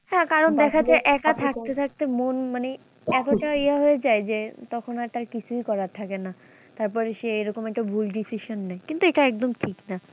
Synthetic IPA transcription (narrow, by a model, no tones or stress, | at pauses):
hɛ̃kaɾond̪ɛkʰad͡ʑaʔɛkat̪ʰak̚t̪et̪ʰak̚t̪emonmane | ɛt̪oʈaeaɦoed͡ʑaed͡ʑet̪ɔkʰonaɾt̪aɾkit͡ɕʰujkɔɾat̪ʰakena | t̪aɾpɔɾeʃeeɾokomɛkʈobʱulɖisiʃonːɛkint̪ueʈaɛk̚d̪omʈʰikna